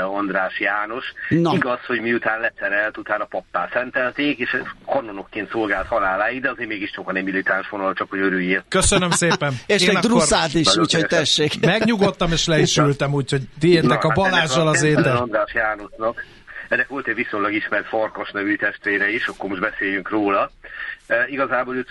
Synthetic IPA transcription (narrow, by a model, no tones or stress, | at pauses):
ond̪raːʃjaːno̞ʃniɡɒsho̞ɟmiut̪aːnlɛsɛɾɛlt̪ut̪aːnɒpɒpːaːlsɛnt̪ɛlt̪eːkeːʃkɒno̞no̞kːeːnt̪so̞lɡaːlt̪hɒlaːlaːjid̪ɛɒzeːɾmeːɡiʃt͡ʃokɒnɛmilit̪anʃʋonɔlɔt͡ʃɒkho̞ɟøɾyːjeːrt̪køsønømseːpɛneʃeːnɒruraːt̪iʃuːchot̪ɛʃːeːkmɛɡɲuɡo̞t̪ːɒmeːʃlɛiʃylt̪ɛmuːcho̞ɟt̪ieːrt̪ɛkɒbɒlaːʒːɒlɒeːd̪ɛond̪raːʃjaːno̞ʃnɒk | ɛnːɛkʋo̞lt̪ɛɟʋisoɲlɒɡiʃmɛrt̪forko̞ʃnɛvyt̪ɛʃt̪ʋeːɾɛiʃɒkːoɾmo̞ʒbɛseːjyŋkroːlɒ | iɡɒzaːboːløt̪